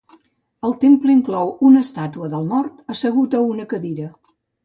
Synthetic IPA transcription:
əlˠt̪empləiŋklɔwunəst̪at̪uəðəlˠmɔrt̪əsəɣ̞ut̪əunəkəðiɾə

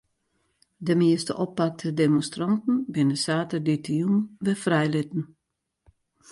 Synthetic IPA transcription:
dəmiəstə̰ʔɔpːak̚tʰədemonstrɔntn̩bɪnəsaːtərditʰəjunʋɛfrɛjlɪtn̩

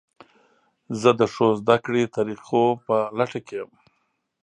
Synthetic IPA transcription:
zəd̪əʂozd̪akɽet̪aɾiqopəlaʈakejəm

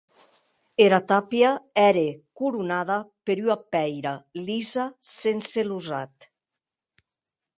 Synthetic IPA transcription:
eɾat̪apiaɛɾekuɾunaðapeɾyapɛjɾalizasenseluzat̪

